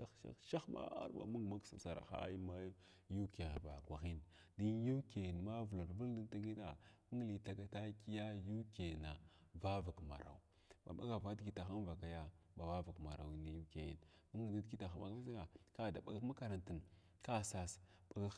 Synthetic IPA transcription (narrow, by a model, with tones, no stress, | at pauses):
da˨ʃa̰˦ʃa˦xma̰˦a̰˦ɾba̰˨mu˦ŋ˨ma˦ksa˨sa˨ɾa̰˨xa̰˦ji˦ma˦j | ju˦ke˨ɣba̰˨kʷa˨xi˦n | di˦ju˦ke˨nma˦vu˨la˨ɾvu˦ldi˦n˦ta˦ŋi˦da̰˨mu˦ŋ˦li˨ta˨ɡa˦ta˦ki˦ja˦ju˦ke˨na˨ | va˦va˨kma̰˨ɾa̰˨w | ba̰˨ɓa̰˦ɡa˨va˦dɡi˨ta˨xa˦nva˨ka˨ja˦ba˨va˦va˨kma̰˨ɾa̰˨wi˨na˨ju˦ke˨jḭ˨nmu˦ŋ˦i˨da˦dɡi˦ta˨xa˨ma̰˨ki˦sa˦ɡa˨ka˦˨da˨ɓa˨ɡkma˦ka˨ɾa˨nti˨n | ka˦sa˦s | ɓa˨ɡa˦